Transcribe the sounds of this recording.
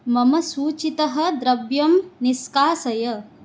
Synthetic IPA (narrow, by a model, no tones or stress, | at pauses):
mɐmɐsuːt͡ʃit̪ɐɦɐ̆d̪ɾɐbjɐmniskaːsɐjɐ